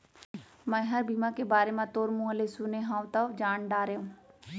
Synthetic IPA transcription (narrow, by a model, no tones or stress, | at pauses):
mɐ̃jɦɐɾbiːmãkebaːɾemãt̪oːɾmuːɦəlesuneɦãːʋt̪ad͡ʒaːɳɖaːɾeũː